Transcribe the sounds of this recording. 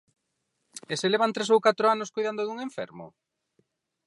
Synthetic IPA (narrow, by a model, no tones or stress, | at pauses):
eseleβant̪ɾesowkat̪ɾoanoskojðand̪oðuŋeɱfɛ̰ɾmʊ̰